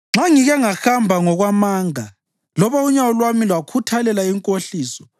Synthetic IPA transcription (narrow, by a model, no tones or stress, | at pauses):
ŋ͡ǁaŋiɣɛŋaxambʱaŋɔɣwamaːŋa | lɔβauɲawɔlwamilwakʰutʰalɛlaiŋkʼoɬiːsɔ